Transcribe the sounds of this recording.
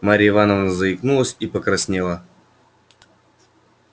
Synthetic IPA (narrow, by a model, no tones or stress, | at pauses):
maɾʲɪɪvanəvnəzəɪknulˠəsʲipəkɾɐsʲnʲelˠə